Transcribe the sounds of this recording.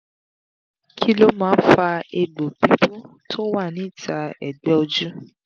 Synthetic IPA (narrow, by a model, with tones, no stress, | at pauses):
kʰi˦lo˦mãː˨˦fa˧e˧ɡ͡bo˨bi˨˦bu˦ | tʰo˦wa˦˨nĩ˨˦˨tʰa˧ɛ̰˨ɡ͡bɛ˦o˧d͡ʒu˦